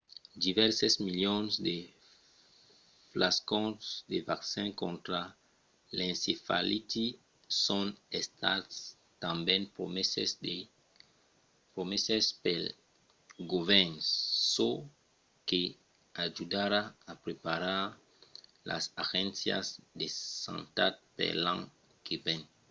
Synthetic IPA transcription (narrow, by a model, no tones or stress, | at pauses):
d̪ivɛɾsezmiljõnzd̪e | flaskõsd̪evaksãŋkõnt̪ɾa | lẽnsefalit̪i | sõnest̪a̰t̪s | t̪ãmbẽŋpɾomesesde | pɾomesespel | ɡovɛnsso | ke | aʒud̪aɾaapɾepaɾaɾ | lʔa̰saɣẽnsja̰sd̪esã̰nt̪at̪̚pḛlã̰ŋ | kevẽn